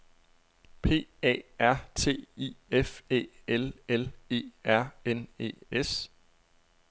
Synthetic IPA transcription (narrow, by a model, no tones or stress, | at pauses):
pʰe̝̰ːɛ̰ːæɐ̰t͡sʰe̝̰ːḭːefe̝̰ːelele̝̰ːæɐ̰ene̝̰ːes